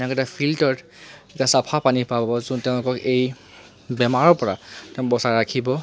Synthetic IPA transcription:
ɛ̃kɛtapʰiltɔɹ | ɛtasapʰapanipabɔzunteʊ̃lʊkɔkej | bɛmaɹɔɹpɔɹa̰tɛʊ̃bɔsaɹakʰibɔ

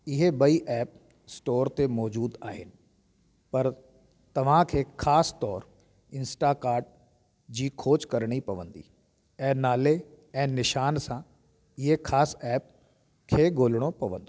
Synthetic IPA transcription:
ɪɦebɐiʔɛːp | sʈoːɾt̪emɔːd͡ʑuːd̪aːɦɪnɪ̆ | pɐɾ | t̪ɐʋ̤ãkʰeːxʰaːst̪ɔːɾ | ɪ̃nsʈakaːɾɖ̚ | d͡ʑiːkʰoːt͡ɕkɐɾɽ̃ipɐʋə̃nd̪ḭː | ɛ̃ːnaːle | ɛ̃ːnɪʃaːnsã | ɪɦekʰaːsɛːp̚ | kʰeːɡoːlɽ̃opɐʋə̃nd̪oː

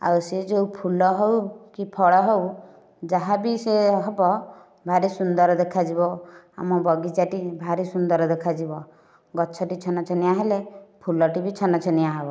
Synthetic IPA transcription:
a̰wsed͡ʒewpʰulɔɦewkipʰɔɭɔɦew | d͡ʒaɦabiseɦɔbɔ | bʱaɾisund̪ɔɾɔd̪ekʰad͡ʒibɔ | a̰mɔbɔɡid͡ʒaʈibʱaɾisund̪ɔɾɔd̪ekʰad͡ʒibɔ | ɡɔt͡ʃʰɔʈit͡ʃʰɔnɔt͡ʃʰɔniaɦelepʰulɔʈibit͡ʃʰɔnɔt͡ʃʰɔniaɦebɔ

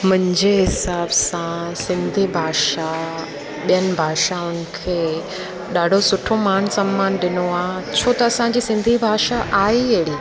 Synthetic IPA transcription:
mʊ̃ɦɪ̃ɲd͡ʑeɦɪsaːbsãsɪ̃nd̪ʱibʱaːʃa | ɓijənɪ̆bʱaːʃaʊnɪ̆kʰeː | ɗaːɖʱosʊʈʰomaːnsɐmːaːnɗɪnoaːt͡ɕʰoːt̪ɐɐsãɲd͡ʑiːsɪ̃nd̪ʱibʱaːʃaʔaːiɦeɽiː

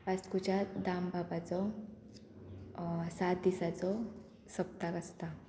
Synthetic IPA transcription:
paskut͡ɕad̪ambabat͡sɔ | sat̪̚d̪isat͡sɔ | səp̚t̪akəst̪a

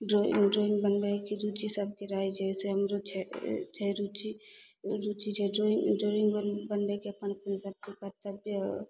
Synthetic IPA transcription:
ɖɾoḭŋɖɾoiŋɡbənbekiɾut͡ʃisəb̚keɾaɦɛt͡ʃʰɛseɦəmɾot͡ʃʰɛt͡ʃʰɛɾut͡ʃi | ɾut͡ʃit͡ʃʰɛɖɾoiŋɖɾoiŋɡbəbənbɛkeəpənpʰənsəb̚kekət̪əb

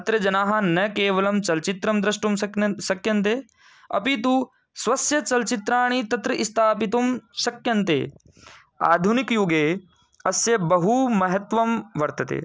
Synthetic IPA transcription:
ɐt̪ɾɐd͡ʒɐnaːɦɐnɐkeːʋɐlɐmt͡ʃɐlt͡ʃit̪ɾɐmd̪ɾɐʃʈumsɐkjɐnt̪eː | ɐ̰pit̪u | sʋɐsjɐt͡ʃɐlt͡ʃit̪ɾaːɳ̃it̪ɐt̪ɾɐʔist̪ʰaːpit̪umsɐkjɐnt̪ḛː | a̰ːd̪ʱunikjuɡeː | ɐsjɐbɐɦumɐɦɐt̪ʋɐmʋɐɾt̪ɐt̪ḛː

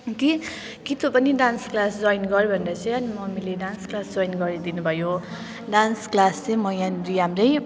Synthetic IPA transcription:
ki | kit̪opʌniɖansklasd͡zʌjnɡʌɾjobʱʌnɾʌt͡sʰʌ̃jʌnimʌmileɖansklasd͡zʌjnɡʌɾid̪inubʱʌjo | ɖansklast͡sʌjmʌjanriɦamrʌj

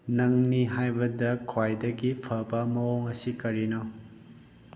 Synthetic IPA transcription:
nɐŋniɦajbɐdɐkʰwajdɐɡipʰɐbɐmɐoŋɐsikɐɾino

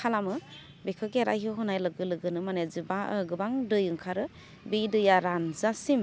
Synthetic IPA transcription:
kʰalamɯ | bekʰɯkeɾa̰jɦɯɦɔnajlɯɡɯlɯɡɯnɯmanezɯbaɡɯbaŋdɯjɯŋkʰaɾɯ | bidɯjaɾanzasim

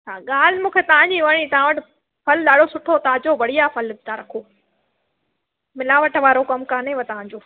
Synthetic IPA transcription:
t͡ɕʰaːɠaːl̤ɪmũːkʰet̪ɐʋ̤ãɲd͡ʑiːʋɐɽ̃it̪ɐãʋəʈɪ | pʰɐlɗaːɽosʊʈʰot̪ɐãd͡ʑoʋɐɽ̤ijapʰɐlt̪ʰãɾɐkʰoː | mɪlaːʋəʈʋaːɾokɐmkãːnẽʋɐt̪ɐʋ̤ãɲd͡ʑoː

